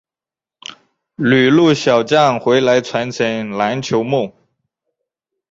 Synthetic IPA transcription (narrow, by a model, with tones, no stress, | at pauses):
ly˨˩lu˥˩ɕjɑ˨˩ʊt͡ɕjɑ˥˩ŋxwe˧˥ɪla˧˥ɪt͡sʰwa˧˥nt͡sʰi˨˥ŋla˧˥nt͡ɕʰjo˧˥ʊmu˥˩ŋ